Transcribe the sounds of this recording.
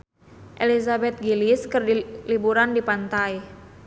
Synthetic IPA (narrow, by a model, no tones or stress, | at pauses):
ʔelizabɛt̪̚ɡiliskɨrdilibuɾandipant̪aj